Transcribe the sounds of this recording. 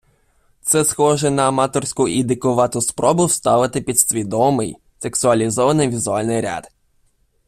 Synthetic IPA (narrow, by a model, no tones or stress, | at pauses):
t̪sɛsxɔʒɛnɐːmɑt̪ɔrsʲkʊʔid̪ɪkʊʋɑt̪ʊspɾʔɔbʊwst̪ɑʋɪt̪ɪpʲid̪sʲʋʲid̪ɔmɪj | se̞ksʊɐlʲizɔʋɐnɪjʋʲizʊɑlʲnɪjɾʲa̰d̪̥